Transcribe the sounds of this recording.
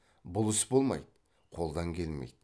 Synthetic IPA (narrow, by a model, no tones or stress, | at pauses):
bʊlˠʏsbolˠmɑ̰jd̪ | qʰo̞lˠd̪ɑŋkʲʰe̞lmḛjd̪